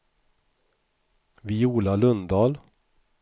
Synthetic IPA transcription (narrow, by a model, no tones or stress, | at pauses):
vɪuːlalɵnd̪ɑːl